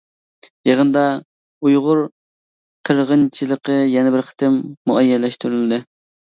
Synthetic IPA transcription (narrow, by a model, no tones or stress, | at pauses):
jəʁənd̪ɑ | ujʁʊɾ | qʰəɾʁənt͡ʃʰilˠəqəjɛnɪbɪɾχə̥t̪ʰɨmːuɛjːɛlɛʃt̪yɾylɪd̪ɪ